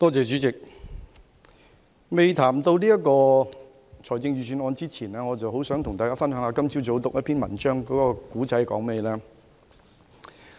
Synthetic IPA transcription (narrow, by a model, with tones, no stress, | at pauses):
t̪ɔː˥t͡sɛː˨t͡ʃyː˨˥t͡sɪ˨k̚ | me˨jt̪ʰaː˨˩mt̪o˧wliː˥jɐ˥kɔː˧ | t͡ʃʰɔː˨˩jt͡sɪ˧ŋɥyː˨˩syː˨˧nɔː˨˧nt͡siː˥t͡sʰiː˨˩nɛː˥ŋɔː˨˧t͡sɐ˨wɦo˨˥wsœː˨˥ŋt̪ʰʊ˨˩ŋt̪aː˨jkaː˥fɐ˥nɦœː˨˥ŋhaː˧kɐ˥mt͡sʰi˥t͡so˨˥wt̪ʊ˨k̚jɐ˥tpʰiː˥nmɐ˨˩nt͡ʃœː˥ŋkɔː˨˥kɔː˧kuː˨˥t͡sɐ˨˥jkɔ̰ː˨˥ŋmɛeː˧jlɛː˥